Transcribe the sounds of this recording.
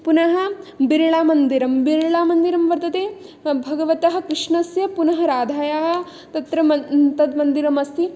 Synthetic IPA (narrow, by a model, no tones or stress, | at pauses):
punɐɦɐ̆biɾɐɭaːmɐnd̪iɾɐmbiɾɐɭaːmɐnd̪iɾɐmʋɐɾt̪ɐt̪eː | bʱɐɡɐʋɐt̪ɐɦɐ̆kɾɪʂɳɐsjɐpunɐɦɐɾaːd̪ʱaːjaːɦɐ̆ | t̪ɐt̪ɾɐmɐt̪ɐd̪mɐnd̪iɾɐmɐst̪i